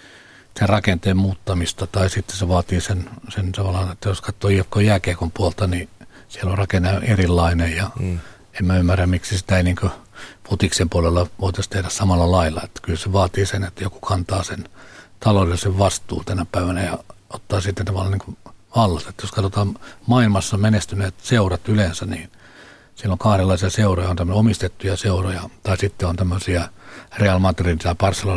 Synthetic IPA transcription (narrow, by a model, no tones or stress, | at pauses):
serɑkent̪eːmmuːt̪ːɑmist̪ɑt̪ɑisit̪ːeseʋɑːt̪iːsensent̪ɑʋɑlːɑnet̪ːæjoskɑt̪ːoːikːojæːkeikompuolt̪ɑni | sielorɑkenːɑoerilːɑinejjɑ | emmæymːæræmmiksisi̥t̪æeiniːŋkøput̪iksempuolelːɑʋoˑit̪ɑst̪ehdæssɑmɑlːɑlɑilːɑet̪ːæ̥kylseʋɑːt̪iːsenet̪ːæjoku̥kʰɑnt̪ɑːsent̪ɑlolesseʋʋɑst̪ṵːnt̪ænæpæiʋænæjɑot̪ːɑːsit̪ːent̪ɑʋɑlːɑniːŋkoʋɑlːɑstːet̪ːjoskɑt̪ot̪ɑːmmɑilmɑsːɑmenest̪yneːt̪seurɑt̪ylensæniːn | silːoŋkɑhɾelːɑisiɑseurojɑont̪æmːønomist̪et̪ːujɑseurojɑt̪ɑisit̪ːeont̪æmːøsiɑreɑlmɑt̪erint̪it̪æipɑrsːelo